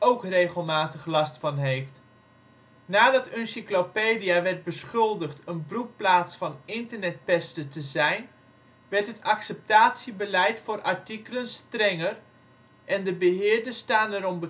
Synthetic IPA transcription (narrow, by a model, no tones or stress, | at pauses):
owkrejχəlˠmaːtəχlɑstfɑnɦejft | naːdɑtœnsiklopeːdijaʋɛɹt̚bəsχɵlˠdəχtənbrupːlaːtsfɑnɪntəɹnɛt̚pɛstətəzɛjn | ʋɛɹtɦətɑksɛp̚taːtsibəlɛjtfʊːrʔaɹtikələnstrɛŋər | ʔɛndəbəɦɪːɹdəstaːnɛɾɔmbə